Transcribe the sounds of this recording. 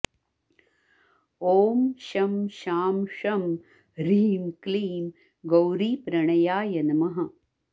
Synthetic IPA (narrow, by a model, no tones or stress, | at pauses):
oːmʃɐmʃaːmʂɐm | ɾiːmkliːm | ɡɐwɾiːpɾɐɳɐjaːjɐnɐmɐɦɐ